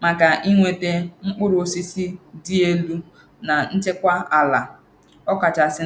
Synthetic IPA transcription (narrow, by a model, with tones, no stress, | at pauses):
ma˨ka˨ʔi˦ŋʷe˨te˦ŋ͡m̩˦k͡pʊ˦ɾʊ˨o˨si˦si˦di˦e˦lu˦ | na˨n̩˦t͡ʃe˦kʷa˦a˨la˨ | ɔ˦ka˨t͡ʃa˨sɪ˦